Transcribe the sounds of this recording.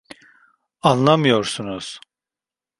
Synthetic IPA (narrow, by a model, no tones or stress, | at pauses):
anlˠamɯjoɾsunuz̥